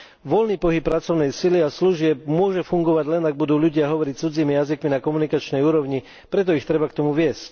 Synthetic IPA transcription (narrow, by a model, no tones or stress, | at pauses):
ʋɔlniːpɔɦip̚ːɾat͡sɔʊnɛjsiliasluʒɪɛb̚mʊɔʒɛfuŋɡɔʋaɟlɛnaɡ̚bud̪uːʎuɟɪaɦɔʋɔɾict͡sud͡ziːmijazikminakɔmunikat͡ʃnɛjuːɾɔʊɲi | pɾɛt̪̬ɔixt̪ɾɛbakt̪ɔmuʋɪɛsc